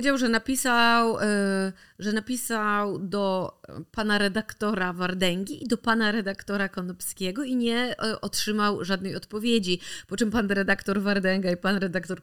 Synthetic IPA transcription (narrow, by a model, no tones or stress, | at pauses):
pd͡ʑawʐɛnapʲisaw | ʐɛnapʲisawd̪ɔpanaɾɛd̪akt̪ɔɾavaɾd̪ɛŋɡʲiːd̪ɔpanaɾɛd̪akt̪ɔɾakɔnɔpskʲɛɡɔiɲɛʔɔtʂɘmawʐad̪̚nɛjɔt̪pɔvʲjed͡ʑipɔt͡ʂɛmpanɾɛd̪akt̪ɔɾvaɾd̪ɛŋɡaipanɾɛd̪akt̪ɔɾ